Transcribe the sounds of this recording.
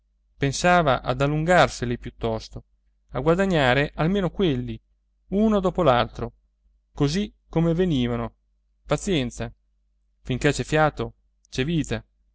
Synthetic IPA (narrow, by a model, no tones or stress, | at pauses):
pensaːvaʔad̪alːuŋɡarselipjut̪ːɔst̪o | aɡwad̪aɲːaːɾeʔalmeːnokwelːi | uːnod̪ɔːpolalt̪ɾo | kozikːomeveniːvano | pat̪sjɛnt̪sa | fiŋkɛt͡ʃɛfjaːt̪o | t͡ʃɛviːt̪a